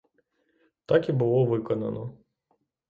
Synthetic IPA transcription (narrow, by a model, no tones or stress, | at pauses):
t̪ɑkibʊlˠɔʋɪkɔnɐ̰nɔ